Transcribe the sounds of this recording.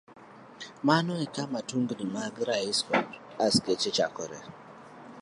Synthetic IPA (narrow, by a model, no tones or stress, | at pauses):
manɔikamatuŋɡdimaɡɾaiskɔt | asket͡ʃet͡ʃakɔɾɛ̰